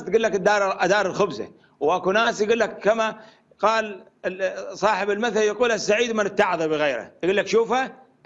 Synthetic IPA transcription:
t̪ɡuːlːakad̪ːɑːɾʔad̪ɑːɾˤɪlxʊbza̰ | wʔakunaːsjɡuːlːakːama | qɑːl | sˤɑːħɪbɪlmaθaljaquːlasːaʕiːd̪mɪnɪt̪ːaʕðˤɑbɪɣeːɾa̰j̪ɡuːlːakʃuːfa

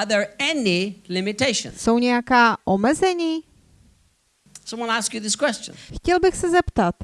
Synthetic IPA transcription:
ðə˞ɛnilɪ̃mɪteɪʃə̰̃nsowɲɛjakaːʔomɛzɛɲiː | sʌ̃mwɑ̃naskjɨðɪskʰw̥ɛst͡ʃə̰̃nxcɛlbɪxsɛzɛpt̪at̪

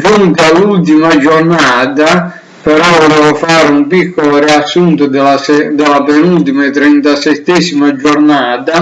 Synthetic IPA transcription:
d͡ʒuŋt̪alult̪imad͡ʒɔrnaːd̪a | pɛɾɔvɔlɛːvɔfaɾumpikʰːɔloɾiasːunt̪d̪aɛd̪ɛlapɛnult̪imaɛt̪ɾɛnt̪asɛt̪ːɛsimad͡ʒɔɾnaːd̪a

